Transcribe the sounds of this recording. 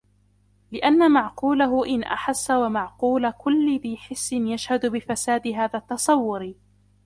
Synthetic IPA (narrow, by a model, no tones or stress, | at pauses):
lɪʔanːamaʕquːlaɦʊʔɪnʔa̰ħasːawamaʕquːlakʊlːɪbiːħɪsːɪnjaʃhad̪ʊbɪfasaːd̪ɪɦaːðaːt̪ːɑsˤɑwːʊɾ